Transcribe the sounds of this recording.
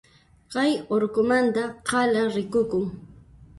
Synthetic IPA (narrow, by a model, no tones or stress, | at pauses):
ɢɑjoɾkʊmant̪aqɑlaɾɪkʊkʊŋ